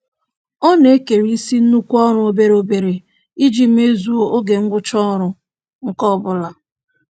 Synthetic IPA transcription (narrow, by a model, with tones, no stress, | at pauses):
ɔ˦ne˦ke˨ɾi˦si˦n̩˦nu˦kʷɔ˦ɾʊ˨˦o˦be˨ɾo˦be˨ɾe˨ | i˦d͡ʒi˨m̩˦e˦zu˦o˦ɡe˨ŋ̩˦ɡʷʊ˦t͡ʃɔ˦ɾʊ˨ | ŋ̩˨kɔ˦˨bʊ˨la˨